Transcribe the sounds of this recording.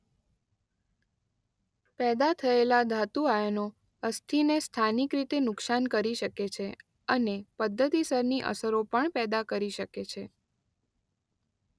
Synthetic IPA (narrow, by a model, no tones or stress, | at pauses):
pɛd̪at̪ʰəelad̪ʱat̪uajəno | əst̪ʰinest̪ʰanikɾit̪enʊksankəɾiʃəket͡ʃʰe | ənepəd̪ʱːət̪isəɾniʔə̰səɾopəɳpɛd̪akəɾiʃəket͡ʃʰe